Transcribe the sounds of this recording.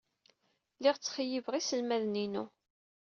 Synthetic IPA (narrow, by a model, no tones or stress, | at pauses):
lɪʁt͡sːχjəvʁisəlmæðninu